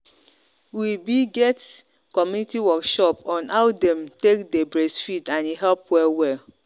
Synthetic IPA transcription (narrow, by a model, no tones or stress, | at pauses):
wibiɡɛt | kɔmjunitiwɔkʃɔpɔ̃nawdɛ̃mtekdebɹesfitãniɦɛlpwɛlwɛl